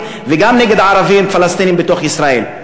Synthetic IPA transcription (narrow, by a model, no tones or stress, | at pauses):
veɡamneɡed̪ʕaʁavimfalast̪inimbet̪o̞χisʁae̞l